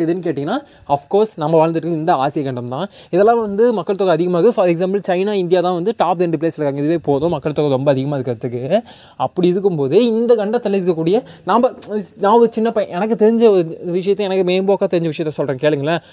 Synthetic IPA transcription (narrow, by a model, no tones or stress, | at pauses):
ɪðɯnːɯk̬eːʈːɪŋɡɐnːaː | ɐfkoːɾsnɐmːɐʋaːɭɐnd̪ɯʈːɯkːɯɪnd̪ɐaːsɪjɐkɐɳɖɐmt̪ãːɪðɛlːãːʋɐnd̪ɯmɐkːɐɭt̪ɔɣɐːðɪɣɐmaːɣɐfɐɾɛks̬aːmbɐlt͡ʃɐɪnaːɪnd̪ɪjaːt̪ãːʋɐnd̪ɯʈaːp̪ɛɳɖɯpleːsɾɯkːaːŋɐɪðɯʋeːpoːðõːmɐkːɐɭt̪ɔkɐɾɔmbɐːðɪɣɐmaːɪðɯkːɐɐt̪ːɯk̬ːɯ | ɐpːɐɽɪɪðɯk̬ːɯmpoːðɯɪnd̪ɐɡɐɳɖɐt̪ːɐlɪɪɾɯkːɐk̬ːuːɽɪjɐnaːmbɐnaːɔɾɯt͡ʃɪnːɐpɐʔɛnɐk̬ːɯt̪ɛɾɪɲd͡ʒɐɔɾɯʋɪʂ̬ɐjɐt̪ːɛnɐkːɯmeːmboːkːaːt̪ɛɾɪɲd͡ʒɐʋɪʂɐjɐt̪ːɐ̃sɔlrɾẽːɐkeːɭɯŋɡɐlːɐ